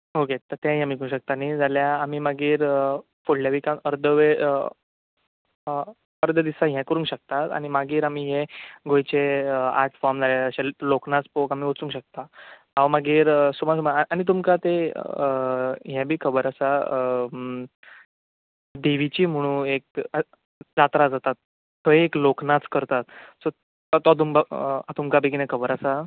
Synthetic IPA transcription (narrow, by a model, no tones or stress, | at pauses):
oket̪əɾt̪ẽaɦiamikũɕək̚t̪anid͡zaljaːmiːmaɡiːɾ | foɽljaʋikanəɾd̪əʋeə | əɾd̪ʱəd̪isaɦjɛ̃kəɾũŋkɕək̚t̪at̪a̰ɽ̃imaɡiːɾamiːɦeɡojt͡ɕeəa̰ʈʰfɔɾmd͡zaljaəɕaloknat͡spokamiːot͡sũŋɕək̚t̪a | aʋmaɡiːɾsumasumaañit̪̬umkat̪ḛ | ɦjɛ̃bʱiːkʰəbəɾəsa | d̪eʋit͡ɕiːm̤əɽ̃ũek̚ | d͡zat̪ɾad͡zat̪at̪ː | oeekloknat͡skəɾt̪at̪sɔ | t̪ɔt̪umbəat̪umkabekinẽkʰəbəɾasa